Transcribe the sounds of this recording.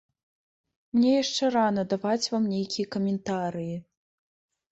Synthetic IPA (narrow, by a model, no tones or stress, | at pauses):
mnʲɛjaʂt͡ʂɛɾanɐd̪avat͡sʲvamnʲejkʲijɐkɐmʲɛnt̪aɾɨji